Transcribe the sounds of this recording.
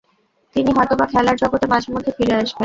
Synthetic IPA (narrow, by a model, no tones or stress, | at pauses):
t̪iniɦɔet̪obakʰɛlaɾd͡ʑɔɡot̪emad͡ʑeɾmod̪ʱːefiɾeaʃben